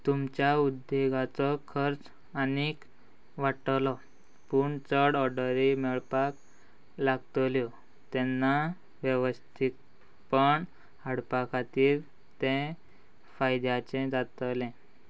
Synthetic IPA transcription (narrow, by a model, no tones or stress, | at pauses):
t̪umt͡ɕjaud̪ːeɡat͡sɔkʰəɾt͡s | anik | ʋaʈlɔ | puɳt͡səɽɔɖəɾimɛɭpak | laɡ̚t̪ljɔ | t̪ɛnːa | ʋjəʋəst̪ʰit̪̚ | pəɳ | həɽpakat̪iːɾ | t̪eɛ̃ | fajd̪jat͡ɕɛ̃d͡zat̪lɛ̃